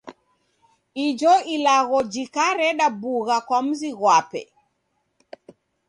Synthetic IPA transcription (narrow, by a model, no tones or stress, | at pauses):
id͡ʒɔilaɣɔd͡ʒikaɾɛɗabuɣakwam̩ziɣwapɛ̰